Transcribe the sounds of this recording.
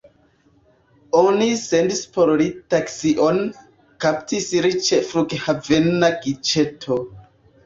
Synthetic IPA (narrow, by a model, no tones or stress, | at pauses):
onisendispoɾlitaksiʔon | kaptisɾit͡ʃefɾuɡhavenaɡit͡ʃetʰo